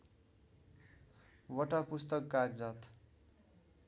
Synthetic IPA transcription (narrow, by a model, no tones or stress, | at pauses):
wʌʈapust̪ʌkːaɡd͡zat̪